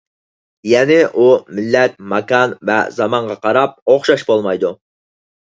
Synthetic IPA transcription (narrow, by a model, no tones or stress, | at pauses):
jɛnɪʔumɪlːɛt̪̚mɑkɑnvɛ̰zɑmɑɴʁɑqʰɑɾɑp̚oχʃɑʃbolˠmɑjd̪u